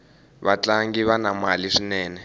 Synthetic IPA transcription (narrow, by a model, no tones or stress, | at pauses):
βat͡ɬaŋɡiβanamaliʂinɛːnɛ